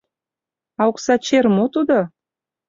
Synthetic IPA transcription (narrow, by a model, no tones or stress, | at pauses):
ɑuksɑt͡ɕermot̪ud̪o